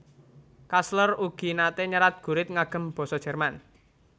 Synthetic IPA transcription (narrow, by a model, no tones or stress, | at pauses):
kasləruɡ̥i̤nat̪eɲəɾat̪̚ɡ̥ṳɾɪt̪̚ŋaɡ̥ə̤mb̥ɔ̤sɔ̥ʒ̥ɛ̤rman